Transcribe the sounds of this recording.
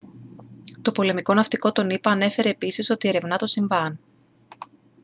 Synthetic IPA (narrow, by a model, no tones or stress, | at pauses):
t̪o̞po̞le̞miko̞nɐft̪iko̞t̪o̞nipɐːne̞fe̞ɾe̞ːpisiso̞t̪ie̞ɾe̞vnɐt̪o̞siɱvɐn